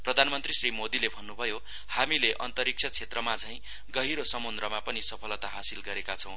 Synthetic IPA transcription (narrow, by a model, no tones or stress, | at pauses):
prʌd̪ʱanmʌnt̪risrimod̪ilebʱʌnːubʱʌjo | hamileʔʌnt̪ʌɾik̚t͡sʰʌt͡sʰet̪rʌmad͡zãj̃ | ɡʌɦiɾosʌmond̪rʌmapʌnisʌpʰʌlʌt̪aɦasilɡʌɾekat͡sʰʌ̃w̃